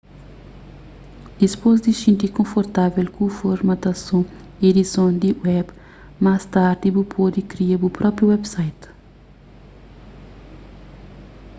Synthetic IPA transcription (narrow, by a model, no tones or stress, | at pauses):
d̪̥ispoz̬d̪isĩnt̪ikõfoɾt̪avelkũfoɾmɐt̪ɐsũ | ed̪isõnd̪iwɛb | mast̪aɾd̪ibupʰod̪ikɾiebupɾɔpɾjuwɛbsajt̪